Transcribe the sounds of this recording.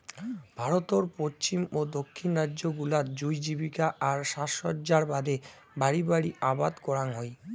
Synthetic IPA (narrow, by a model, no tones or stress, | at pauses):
bʱaɾot̪oɾpot͡ɕimod̪okʰːinɾadːd͡ʑoɡulat̪̚d͡ʑujd͡ʑibikaʔaɾʃaʃot̪̚d͡ʑaɾbad̪e | baɽibaɽiabad̪kɔɾaŋɦɔj